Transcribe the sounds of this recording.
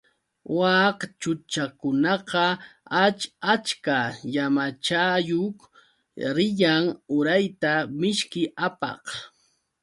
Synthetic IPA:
wɑkt͡ʃʊt͡ʃakʊnɑqɑat͡ʃat͡ʃkajamat͡ʃajok | ɾɪʎaŋʊɾajt̪amɪʃkɪapɑ̰q

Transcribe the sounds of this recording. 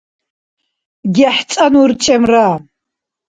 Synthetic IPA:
ɡʲɪħt͡sʼanurt͡ʃʰʼemra

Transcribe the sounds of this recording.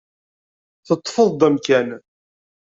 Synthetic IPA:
θət̪ˤːfəðˤd̪æmkæn

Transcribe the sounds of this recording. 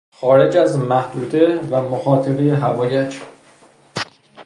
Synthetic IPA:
xɒːɾe̞d͡ʒæzmæhd̪uːd̪evæmoxɒːt̪ʰeɾejeɦævɒːjed͡ʒ

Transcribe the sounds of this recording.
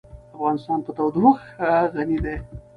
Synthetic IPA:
afɣɑnɪst̪ɑnpət̪awd̪uxaɣanid̪e

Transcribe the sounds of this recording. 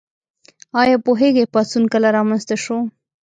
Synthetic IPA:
ɑjɑpoɦeɡepɑsunkəlaɾɑmanst̪aʃo

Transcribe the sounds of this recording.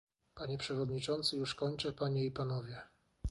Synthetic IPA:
paɲɛpʂɛvɔd̪ɲit͡ʂɔnt̪sɘjuʂkɔɲt͡ʂɛpaɲɛipanɔvʲjɛ

